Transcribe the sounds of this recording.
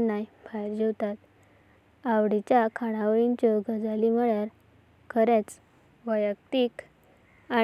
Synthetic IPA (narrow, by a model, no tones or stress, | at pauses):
najbajɾd͡ʑəwt̪at̪ | awɽit͡ɕjakʰaɽ̃aʋint͡ɕɔɡəd͡zaliməɭjaɾ | kʰəɾet͡s | ʋəjək̚t̪ik | a